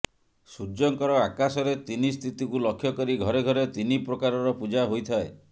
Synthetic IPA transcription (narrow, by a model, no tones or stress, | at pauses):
sud͡ʒɔŋkɔɾɔakasɔɾet̪inist̪ʰit̪ikulɔkʰːjɔkɔɾiɡʱɔɾeɡʱɔɾet̪inipɾɔkaɾɔɾɔpud͡ʒaɦojt̪ʰae